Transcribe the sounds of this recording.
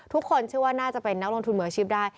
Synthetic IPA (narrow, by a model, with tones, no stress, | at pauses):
t̪ʰu˦˥kʰːo˧nt͡ɕʰɯ˥˩ɐwaː˥˩naː˥˩t͡ɕa˨˩pe˧nːa˦˥k̚lo˧ŋt̪ʰu˧nmɯ˨˩˦ɐ˦t͡ɕʰiː˦˥˩p̚daː˥˩j